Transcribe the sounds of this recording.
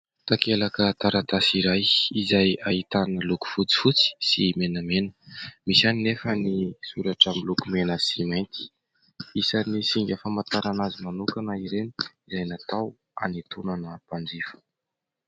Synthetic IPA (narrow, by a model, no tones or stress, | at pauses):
t̪akelakət̪aɾat̪asiɾajizajaɦit̪anəluku̥fut͡si̥fut͡si̥simenəmenəmisaninefənisuɾaʈ͡ʂamilukumenəsimajnt̪i̥ | isanisiŋɡʲafamat̪aɾanazimanukanaiɾeni̥izajnat̪aw | a̰nit̪unanəpand͡zifu̥